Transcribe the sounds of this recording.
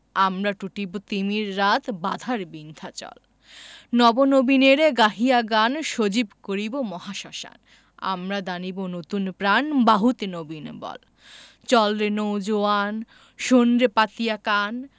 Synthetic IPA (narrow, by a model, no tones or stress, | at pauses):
amɾaʈuʈibot̪imiɾːat̪ʰbad̪ʱaɾbind̪ʱat͡ɕɔ̰l | nɔbonobineɾɡaɦiaɡanʃod͡ʑibkoɾibomɔɦaʃaʃa̰n | a̰mɾad̪anibonot̪unpɾanbaɦut̪nobinbɔ̰l | t͡ɕɔlɾenowd͡ʑoan | ʃonɾepat̪ijakan